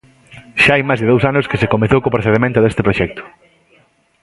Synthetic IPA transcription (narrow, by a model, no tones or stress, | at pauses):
ʃaajmajzðeðowsanʊskɪsekomeθowkopɾoθeðemẽnt̪ʊðest̪ɪpɾoʃɛk̚t̪ʊ̥